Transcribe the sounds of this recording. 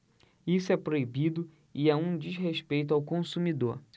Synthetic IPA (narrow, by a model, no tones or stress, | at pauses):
isʊɛpɾoibid̪ʊ | iaũd͡ʒizɦeʃpejt̪̬ʊawkõsumid̪oɾ